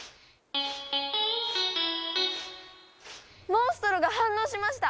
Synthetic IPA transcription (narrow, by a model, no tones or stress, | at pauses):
mõɰ̃sɨ̥t̪o̞ɾɯɡahãnːo̞ːɕimaɕ̬i̥t̪a